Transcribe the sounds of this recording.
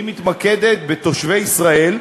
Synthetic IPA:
imit̪maked̪et̪̚bet̪o̞ʃvejisʁae̞l

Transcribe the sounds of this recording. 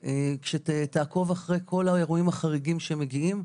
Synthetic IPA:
ekʃetet̪aːko̞vaχʁejkʰo̞laeʁuimhaχaʁiɡimʃeemːe̞ɡiim

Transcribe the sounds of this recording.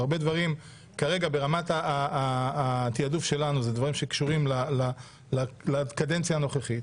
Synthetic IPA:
aʁbe̞d̪vaʁim | kaʁe̞ɡabe̞ʁamat̪a | t̪iadufʃe̞lanuzed̪vaʁimʃe̞kʃuʁimlala | lalakadent͡sjaːno̞χeχit̪

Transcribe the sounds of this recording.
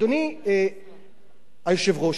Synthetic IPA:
d̪onie | ajoʃevʁoʃ

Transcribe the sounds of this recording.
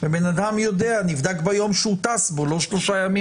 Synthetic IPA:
vebenad̪amjo̞d̪eanivd̪akbajo̞mʃeut̪asbo̞lo̞ʃlo̞ʃajami

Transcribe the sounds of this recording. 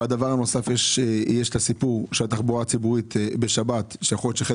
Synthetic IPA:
ad̪avaʁanosafjeʃjeʃt̪asipuʁʃeat̪aχbuʁat͡sibuʁitbeʃabat̪ʃejaχoljotʃeaχe

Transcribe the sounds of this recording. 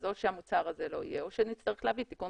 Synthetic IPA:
zo̞tʃeamut͡saʁazelo̞ḭjeo̞ʃenit͡st̪aʁeχleavit̪iku

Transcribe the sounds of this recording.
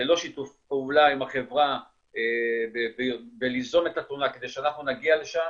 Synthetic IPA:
elo̞ʃit̪ufpeulaimaχevʁa | ebebebelizo̞metat̪unake̞d̪e̞jʃeanaχnunaɡiale̞ʃam

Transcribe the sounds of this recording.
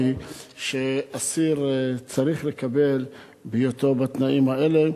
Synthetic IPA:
iʃeasiʁt͡saʁiχle̞kabe̞l | bejot̪obat̪naʔimaele̞

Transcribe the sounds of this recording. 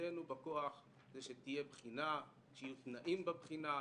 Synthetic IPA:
enubako̞aχ | zeʃet̪ije̞bχina | ʃjut̪naʔimbabχina

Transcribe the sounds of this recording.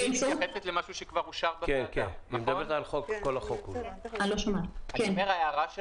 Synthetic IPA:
sjaχeset̪lemaʃuʃekvaʁuʃaʁbakekeanimd̪aet̪alχokkːolaχokualoʃomaakenmeʁaeaʁaʃ

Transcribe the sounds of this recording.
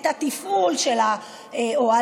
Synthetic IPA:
t̪at̪ifulʃela | eoa

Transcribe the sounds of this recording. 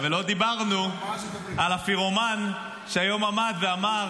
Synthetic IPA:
velo̞d̪ibaʁnu | alafiʁoman | ʃeajo̞mamad̪veama

